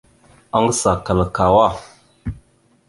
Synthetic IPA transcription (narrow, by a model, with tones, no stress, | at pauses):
a˦ŋ˦sa˨ka˨lka˨wa˦˨